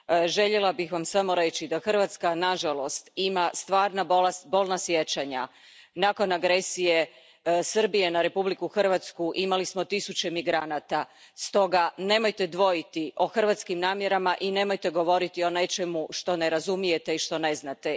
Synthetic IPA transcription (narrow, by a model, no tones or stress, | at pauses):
ʒe̞ʎelabixʋamsamo̞ɾe̞t͡ɕid̪axr̩ʋat̪skanaʒalo̞st̪imast̪ʋaːɾnabolest̪bo̞lˠnasjet͡ɕaɲa | nako̞naɡɾe̞sije̞ | srbije̞naɾe̞publikuxr̩ʋat̪skuʔimalismo̞t̪isut͡ɕe̞miɡɾanat̪a | st̪o̞ɡane̞mojt̪e̞d̪ʋo̞jit̪iʔo̞xr̩ʋat̪skimnaːmje̞ɾamaʔine̞mo̞jt̪e̞ɡo̞ʋo̞ɾit̪io̞ne̞t͡ʃe̞muʃt̪o̞ne̞ɾazumije̞t̪e̞iʃt̪o̞ne̞znat̪e